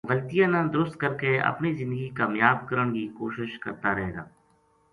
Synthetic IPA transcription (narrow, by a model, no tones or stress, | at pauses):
ɣəlt̪ijãnãd̪ʊɾʊst̪̚kəɾkeɐ̰pnizɪ̃nd̪əɡikaːmjaːbkəɾəɳ̃kiːkoːʃɪʃkə̰ɾt̪aɾəɦeːɡa̰ː